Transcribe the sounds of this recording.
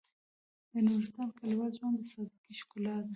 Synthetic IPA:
d̪ənuɾɪst̪ɑnkalwalʒwand̪əsɑd̪ikiʃkulɑd̪a

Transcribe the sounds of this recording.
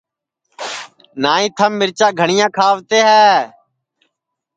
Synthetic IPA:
naːĩːt̪ʰəmːɪɾt͡ʃãːɡʱəɳ̃ɪjãːkʰaːʋt̪eːɦɛː

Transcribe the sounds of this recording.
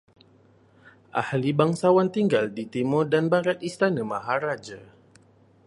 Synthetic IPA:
ʔa̰hlibaŋsawant̪iŋɡaldit̪imɔdanbaɾat̪ist̪anəmaɦaɾad͡ʒa

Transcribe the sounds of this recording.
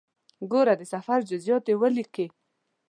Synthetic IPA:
ɡoɾad̪əsafaɾd͡ʒʊzjɔt̪ewəlike

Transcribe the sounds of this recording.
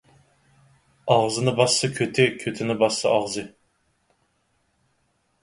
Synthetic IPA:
ɑʁzɨnɨbɑsːɨkʲʰøt̪ʰɪkʲʰøt̪ʰɪnɪbɑsːɑʔɑʁzɨ

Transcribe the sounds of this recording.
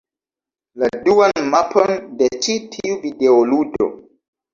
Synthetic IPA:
laduanmapʰondet͡ʃitʰiuvideoludo̰

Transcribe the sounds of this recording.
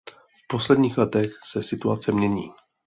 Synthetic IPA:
fpo̞slɛdɲiːxlɛt̪ɛxsɛsɪt̪uat͡sɛmɲɛɲiː

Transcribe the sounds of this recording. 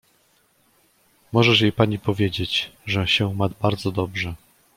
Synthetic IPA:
mɔʐɛʂjejpaɲipɔvʲjed͡ʑet͡ɕʐɛɕɛumad̪baɾd̪zɔd̪ɔbʐɛ

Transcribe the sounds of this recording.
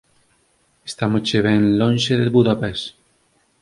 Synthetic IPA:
est̪amot͡ʃeβ̞enlõnʲʃeðelβuðapes

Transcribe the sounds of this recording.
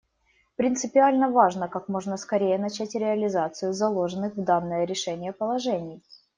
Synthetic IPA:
pɾʲɪnt̪sɨpʲɪalʲnəvaʐnəkakmo̞ʐnəskɐɾʲejənɐt͡ɕætʲɾʲɪɐlʲɪzat̪sɨjʊzɐlˠo̞ʐɨnːɨxvd̪anːəjəɾʲɪʂɛnʲɪjəpəlˠɐʐɛnʲɪj

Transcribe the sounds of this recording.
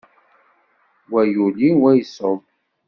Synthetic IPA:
wæjuliwæjsoðˤ

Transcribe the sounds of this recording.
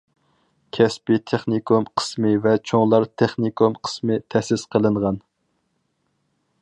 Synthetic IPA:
kʲʰɛspɪt̪ʰeχnikʰumqʰə̥smɨvɛt͡ʃʰoŋlˠɑɾt̪ʰeχnikʰomqʰə̥smɨt̪ʰɛsɪsqʰəlˠɨɴʁɑn

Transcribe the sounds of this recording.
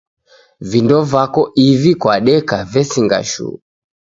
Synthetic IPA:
vindɔvakɔʔivikwaɗɛkavɛsiŋɡa̰ʃṵ

